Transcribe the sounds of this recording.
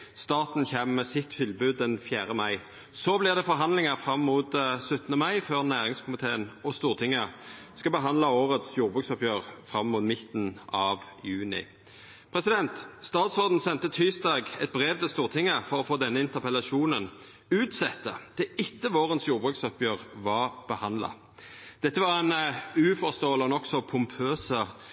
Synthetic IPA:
st̪ɑːt̪n̩çɛmmɛsɪt̪ːt̪ʰɪlbʉːd̪̚ːɛnfjæːʁəmɑɪ | sɔblɪʁd̪ɛfɔɾɦɑnd̪lɪŋəʁfʁɑmːʊːt̪sʉt̪ːənəmɑɪføːʁnæːʁɪŋskʰʊmɪt̪ʰeːənɔst̪uːʁt̪ʰɪŋːə | skɑbəɦɑnd̪lɑoːʁət̪sjuːʁbʁʉːksɔpjøːʁfʁɑmːʊːt̪mɪt̪n̩ɑʋ | jʉːnɪ̰ | pʰʁɛsɪd̪ɛnt̪st̪ɑːt̪sɔʁd̪n̩sɛnt̪ət̪ʰyːsd̪ɑːɡɛt̪̚bʁeːʋt̪ʰɪst̪uːʁt̪ʰɪŋːəfɔʁɔfoːd̪ɛnːəɪnt̪əʁpɛlɑʃuːnən | ʉːt̪sɛt̪ːə̰d̪̥ɛɪt̪ːəʋoːʁənsjuːʁbʁʉksɔpjøːʁʋɑʁb̥əhɑnd̪lɑ̰ | d̪̥ɛt̪ːəʋɑʁɛnʉːfɔʁst̪oːəlɔnɔksɔpʰʊmpʰøːsə

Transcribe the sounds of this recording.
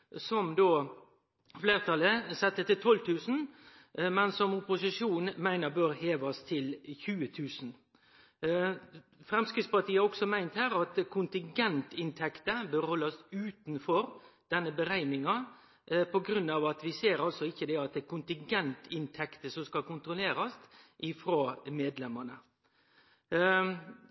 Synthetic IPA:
sɔmd̪oː | fleːɾt̪ʰɑləsɛt̪ːət̪ɪlt̪ʰɔlt̪ʉːsn̩ | mɛnsɔmʊpʊsɪʂuːnmæɪnəɾbøːɾheːʋɑst̪ʰɪlçʉːət̪ʰʉːsn̩ | fɾɛmskɾɪt̪spɑʈ̪ʰiːɑɾɔksɔmæɪnt̪hæːɾɑt̪kʰʊnt̪ɪŋɡɛnt̪ɪnt̪ʰɛkt̪əbøːɾhɔlːɑsʉːt̪n̩fɔɾd̪̥ɛnːəbəɾæɪnɪŋɑ | pʰɔɡɾʉnːɑʋɑt̪ʋɪseːɾɑlsɔɪçːəd̪ɛɑt̪̚d̪ɛkʊnt̪ɪŋɡɛnt̪ʰɪnt̪ʰɛkt̪əsɔmskɑlkʊnt̪ɾʊleːɾɑst̪ʔɪfɾoːmeːd̪lɛmənə

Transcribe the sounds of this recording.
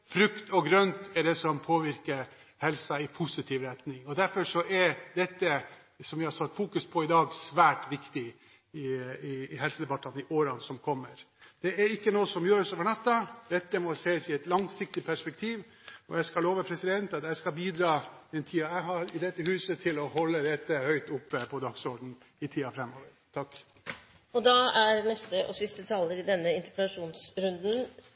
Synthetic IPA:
fɾʉkt̪ɔɡɾœnt̪ɛɖɛsɔmpʰoːʋɪɾkəɾ | hɛlsɑɪpʰʊsɪt̪ʰiːʋɾɛt̪nɪŋɔd̪æɾfɔʂɔʔɛɾd̪ɛt̪ːə | sɔmjɪhɑsɑt̪ːfuːkʉspʰɔɪd̪ɑːɡsʋæːʈʋɪkt̪ɪ | ɪɪːɦɛlsəd̪ɛbɑt̪ːɑnɪʔoːɾɑnsɔmkʰɔmːəɾ | d̪̥ɛɛɾɪkːənoːəsɔmjøːɾəsoːʋəɳɑt̪ːɑd̪̥ɛt̪ːəmɔseːsɪɛt̪lɑŋsɪk̚t̪ɪpʰæʂpɛk̚t̪ʰiːʋ | ɔ̰jæɪskɑloːʋəpʰɾɛsɪd̪ɛnt̪ɑt̪jæɪskɑbiːd̪ɾɑːd̪ɛnt̪ʰiːɑæɪɦɑɾɪd̪ɛt̪ːəhʉːsət̪ʰɪlɔhɔlːəɾɛt̪ːəhœʏt̪ʊpːəpʰɔd̪ɑɡsɔɖn̩ | ɪt̪ʰiːɑfɾɛmːoːʋəɾt̪ʰɑkː | ɔd̪ɑæɾnɛst̪əʔɔsɪst̪ət̪ʰɑːləɾɪd̪ɛnːəɪnt̪əpəɑʂuːnsɾʉnd̪n̩

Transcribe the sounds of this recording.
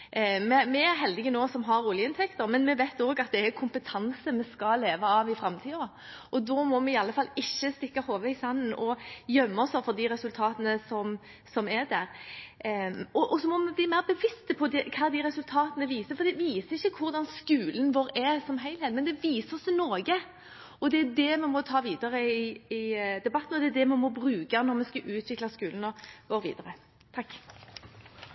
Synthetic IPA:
mɛmɛæɾɦɛld̪ɪɡənoːsɔmɦɑɾuːlɪjəɪnt̪ʰɛkt̪əɾmɛnmɛʋɛɪt̪ːoːɡɑt̪̚d̪ɛækʰʊmpət̪ʰɑnsəmɛskɑleːʋɑɑːʋɪfɾɑmt̪ʰiːɔ | ʔɔd̪ɔːmɔmɛɪɑlːəfɑlːɪçːəst̪ɪkːɑhoːʋəɪsɑnːənɔjœmːɔsɔfɔd̪iɾɛsʉlt̪ʰɑːt̪ənəsɔm | sɔmæd̪æɾ | ɔʔɔsɔmɔmɛbliːmæɪʁbəʋɪst̪əpʰɔd̪ɛkʰɑːd̪iɾɛsʉlt̪ʰɑːt̪ənəʋiːsəfɔɾd̪ɛʋiːsəɾɪçːəkʰʊɾd̪ɑnskʉːlənʋoːɾɛsɔmɦæɪlheːt̪mɛnd̪ɛʋiːsəsɪnɔːɡə | ɔd̪ɛæd̪ɛmɛmɔt̪ʰɑːʋiːd̪ɑɾəɪɪd̪ɛbɑt̪ːn̩ɔd̪ɛæd̪ɛmɛmɔbɾʉːkɑnɔɾmɛskɑʔʉːt̪ʰʋɪklɑskʉːlnɔʋoːɾʋḭːd̪əɾə | t̪ʰɑkː

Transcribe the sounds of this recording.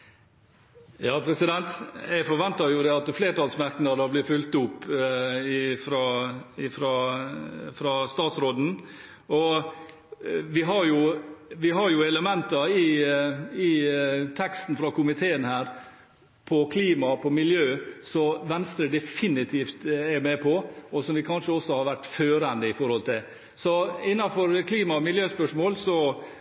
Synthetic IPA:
jɑːpʰɾɛsɪd̪ɛnt̪æɪfɔɾʋɛnt̪ɑjʊd̪ɛɑt̪fleːʈɑːlsmæɾknɑd̪əblɪfʉlt̪ʊpː | ɪfɾɑɪfɾɑ | fɾɑst̪ɑːt̪sɾoːd̪n̩ | ɔ | ʋɪɦɑɾjʊʋɪɦɑɾjʊɛləmɛnt̪ɑɪ | ɪt̪ʰɛkst̪n̩fɾɑkʊmɪt̪ʰeːənhæːɾ | pʰɔkʰliːmɑpʰɔmɪljøːsɔʋɛnst̪ɾəd̪ɛfɪnɪt̪ʰiːft̪ɛɾmɛpʰɔɔsɔmʋɪkʰɑnʂəɔsːɔhɑɾʋæʈːføːɾənd̪əɪfɔɾhɔlt̪ʰɪl | sɔɪnːɑfɔɾkʰliːmɑmɪljøːspœʂmoːlsɔ

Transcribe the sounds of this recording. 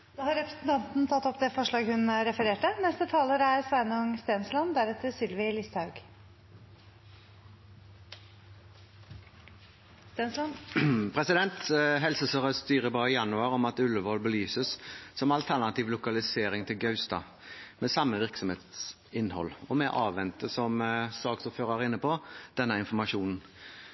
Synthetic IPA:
d̪oːhɑɾɛpɾə̥snt̪ʰɑnt̪n̩t̪ʰɑt̪ːɔpd̪ɛfɔʂɭɑːɡhʉnɾɛfəɾeːʈənɛst̪ət̪ʰɑːləɾæɾsʋænʊŋst̪eːnslɑnd̪æɾɛt̪ːəsʏlʋɪlɪst̪hɑʉɡ | st̪eːn | pʰʁɛsɪd̪ɛnt̪ɦɛlsəsøːʁəst̪yːɾəbɑːʁɪjɑnʉɑɾɔmɑt̪ʉləʋɔlbəlyːsəssɔmɑlt̪ʰæʁnɑt̪iːʋlʊkɑlɪseːɾɪŋt̪ʰɪlɡœʉst̪ɑ̰ | mɛsɑmːəʋɪʁksɔmheːt̪s | ɪnhɔ̰lːɔmɛʔɑːʋʋɛnt̪əsɔmsɑːksɔføːʁɑʁɪnːəpʰɔd̪̥ɛnːəɪnfɔɾmɑʂuːnn̩

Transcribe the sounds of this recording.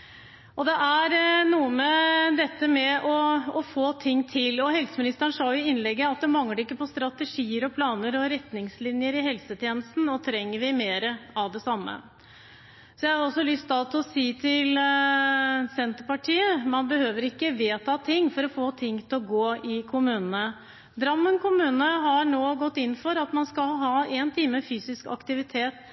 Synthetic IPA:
ɔd̪ɛʔæɾnuːəməd̪ɛt̪ːəmɛɔɔfoːt̪ʰɪŋːt̪ʰɪlɔhɛlsəmɪnɪst̪əɳʂɑːjʊɪɪnlɛɡːəɑt̪̚d̪ɛmɑŋləɖɪkːəpɔst̪ɾɑt̪əʂiːəɾɔpʰlɑːnəɾɔɾɛt̪nɪŋslɪnjəɾɪɦɛlsət̪ʰjeːnəst̪n̩ɔt̪ʰɾɛŋːəɾʋɪmeːɾəɑʋd̪ɛsɑmːə̰ | sɔjæhɑɾɔsɔlʏst̪ɑt̪ʰɔsiːt̪ʰɪl | sɛnt̪əɾpɑʈʰiːəmɑnbəhøːʋəɾɪkːəʋeːt̪ʰɑːt̪ʰɪŋːfɔɾɔfoːt̪ʰɪŋːt̪ʰlɔɡoːɪkʰʊmʉːnənə | d̪ɾɑmːənkʰʊmʉːnəɦɑɳoːɡɔt̪ːɪnːfɔɾɑt̪mɑnskɑlɦɑːeːnt̪ʰiːməfyːsɪskɑ̰kt̪ɪʋɪt̪ʰeːt̪

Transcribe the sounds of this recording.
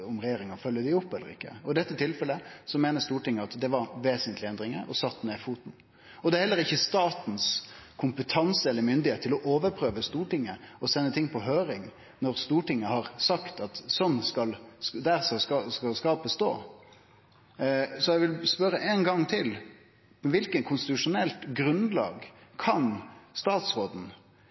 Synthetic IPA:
ɔmɾɛjeːɾɪŋɑfœlːjəd̪ɪʊpːɛlːə̰ɾɪ̰kːə̰ɔɪd̪ɛt̪ːət̪ʰɪlfɛlːəsɔmeːnəst̪uːʈɪŋːəɑt̪d̪ɛʋɑɾʋeːsənt̪ʰlɪɛnd̪ɾɪŋə̰ɔsɑt̪ːneːfuːt̪n̩ | ɔd̪ɛɾhɛlːəɾɪçːəst̪ɑːt̪n̩skʰʊmpət̪ʰɑnsəɛlːəɾmʏnd̪ɪeːt̪ʰːɪlɔʔoːʋəɾpʰɾøːʋəst̪uːʈɪŋːəɔsɛnːət̪ʰɪŋːpʰɔɦøːɾɪŋ | nɔɾst̪uːʈɪŋːəhɑʁsɑkt̪ɑt̪sɔnːskɑld̪æʁsɑskɑskɑlskɑːpəst̪o̰ː | sɔɛʋɪlspœɾəʔɛːnɡɑŋːt̪ʰɪl | ʋɪlkəkʰʊnst̪ɪt̪ʉʂʊnɛlt̪ɡɾʉnlɑ̰ːɡkʰɑnst̪ɑːt̪sʁoːd̪n̩

